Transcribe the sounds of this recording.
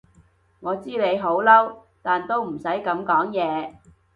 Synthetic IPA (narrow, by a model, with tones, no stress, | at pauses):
ŋɔː˨˧t͡siː˥ne˨˧jɦo˨˥wlɐ˥w | t̪aː˨nt̪o˥wm̩˨˩sɐ˨˥jkɐ˨˥mkɔː˨˥ŋjɛː˨˧